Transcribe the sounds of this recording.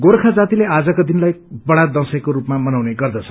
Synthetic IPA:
ɡorkʰad͡zat̪ilead͡zʌkod̪inlajbʌɽad̪ʌsʌkoɾupmamʌnawneɡʌrd̪ʌt͡sʰʌ

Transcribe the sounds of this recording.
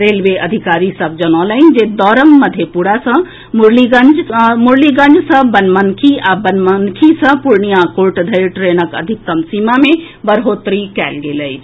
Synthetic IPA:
ɾeːlʋeʔəd̪ʱikaːɾisəbʱd͡ʒənɔ̃ləɪnd͡ʒed̪ɔːɾəmːəd̪ʱjepuɾasə̃ | muɾliɡənd͡ʒmuɾliɡə̃nd͡ʒsə̃bənmənkʰiabənmənkʰisə̃puɾɳijakoɾʈd̪ʱəjɾʈɾeːnəkə̰d̪ʱik̚t̪əmsimamẽ | bəɾɦoːt̪ɾikɛːlɡeːləj

